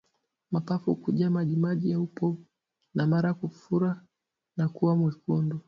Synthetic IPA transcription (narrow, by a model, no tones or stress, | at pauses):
mapafukuʄamaʄimaʄijaupɔ | namaɾakufuɾa | nakuwamwikundu